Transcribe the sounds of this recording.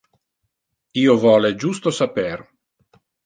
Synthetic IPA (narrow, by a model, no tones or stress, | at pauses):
iːovɔːled͡ʒust̪osaper